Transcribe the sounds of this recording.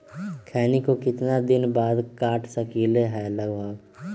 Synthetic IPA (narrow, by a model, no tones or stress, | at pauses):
kʰɛːnikokɪt̪nad̪ɪnbaːd̪kaːʈʰsəkiːleɦɛləɡbʱəɡ